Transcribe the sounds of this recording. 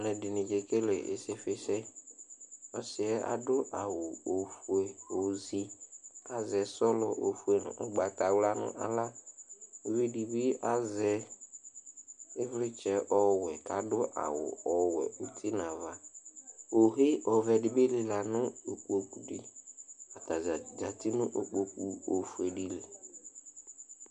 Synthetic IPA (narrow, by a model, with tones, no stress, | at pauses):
lɛ˨dɪ˨nɪ̃˨d͡ʒe˨ke˦le˨ʔḛ˨se˦fɪ˦sɛ˦ | ɔ˦sɪ˨ɛ˦a̰˨dʊ˦ʔa˨wʊ˨o˨fu˨e˨o˨zi˦a˨zɛ˨sɔ˦lʊ˨o˨fu˦e˨nʊ̰̃˨ʔʊ˦ɡ͡ba˨ta˨wla˦nʊ̰̃˦ʔa̰˨la˦ | o˨vi˦di˨bi˦a˦zɛ˨ | ɪ˦vlɪ˦t͡ʃɛ˨˦ʔɔ˦wɛ˨ka˨dʊ˦ʔa̰˨wʊ̰˨ɔ˨wɛ̰˨u˦tʰi˦nã˨va˨ | o˨ɦe˦ʔɔ˨vɛ˨dɪ˨be˦lɪ˨la˨nʊ˦o˨k͡po˨ku˨di˦a˨ta˨zd͡ʒa˨tɪ˦nʊ̃˦ʔo˨k͡po˨ku˨o˨fu˨e˨di˦le˨